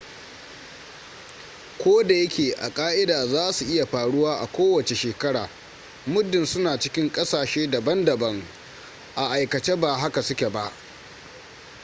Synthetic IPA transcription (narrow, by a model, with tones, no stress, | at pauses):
kʷoː˦da˨jɐ˦kʲeː˨ʔa̰˨kʼaː˦ʔɪ˦daː˨zaː˦su˨ʔɪ˦ja˨ɸaː˨ɽʊ˦waː˦ʔa˨kʷoː˦wɐ˨t͡ʃe˨ʃeː˨kɐ˦ɽa̰ː˨ | mʊ˦dɪ˨nsʊ˦naː˨t͡ʃɪ˦kʲɪ˦ŋkʼɐ˦saː˨ʃeː˦dɐ˨bɐ˦ndɐ˨bɐ˦ŋ | ʔa˨ʔa˨jkɐ˨t͡ʃe˦ba˨ɦa˦ka˨sʊ˦kʲe˨ba˦ʔ